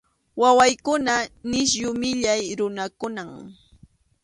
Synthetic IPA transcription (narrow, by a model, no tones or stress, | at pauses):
wawajkʊnanɪʃ̬jʊmɪʎajɾʊnakʊnaŋ